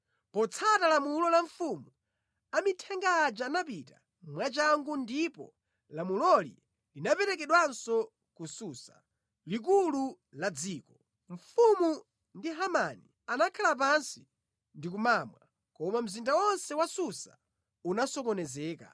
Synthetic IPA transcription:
pɔt͡sʰatalamulɔlaɱfumu | amitʰɛŋɡaːd͡ʒanapita̰ | mwat͡ʃaŋɡundipɔ̰ | lamulɔlḭ | linapɛɾɛk̬ɛɗwansɔ | kususa̰ | lik̬ulu | lad͡ziːkɔ | ɱ̩fumu | ndiɦamani | anakʰalap̬ansi̥ | ndik̬umamwa | kɔmam̩zindawɔnsɛwasusa | unasɔkɔnɛzɛːka̰

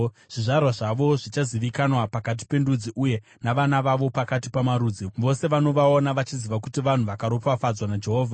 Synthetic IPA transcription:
ʐ̥iʐarwaʐaʋo̞ʐit͡ʃaziʋikanwapakat̬i̥pe̞ndud͡ziʔuje̞ | naʋanaʋaʋo̞pakatipamaɾud͡ziʋo̞se̞ʋano̞ʋaonaʋat͡ʃiziʋakutiʋan̤uʋakaɾo̞pafad͡zwanad͡ʒe̞ɦoːvʱa

